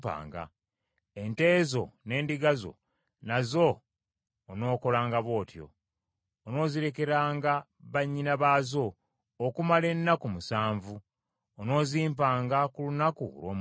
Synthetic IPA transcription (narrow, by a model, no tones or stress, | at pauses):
pa̰ːŋɡa̰ | e̞nte̞ːzo̞̰ne̞ːndiɡazo̰ | nazo̞ː | no̞ːko̞laːŋɡaβo̞ːtjo̞̰ː | no̞ːziɾe̞ke̞ɾaːŋɡa | βaɲːinaβaːzo̞ː | kumale̞nːakumusaːɱvu | ono̞ːziːmpaːŋɡakulunakṵlwoːm